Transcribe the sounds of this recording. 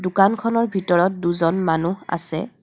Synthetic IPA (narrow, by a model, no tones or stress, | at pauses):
dʊkankʰɔnɔɹbʱitɔɹɔt̚duzɔnmanuɦa̰sɛ̰